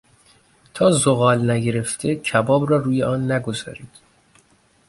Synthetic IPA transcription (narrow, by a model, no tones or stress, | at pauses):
t̪ʰɒːzoɣɒːlnæɟe̞ɾe̞ft̪ʰe̞cʰæbɒːbrɒːɾuːjeʔɒːnːæɡo̞zɒ̰ːɾiːd̪̥